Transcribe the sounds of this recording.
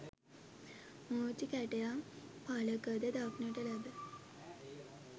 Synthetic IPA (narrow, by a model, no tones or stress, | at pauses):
motikæʈejapaləkəd̪əd̪aknəʈəlæbə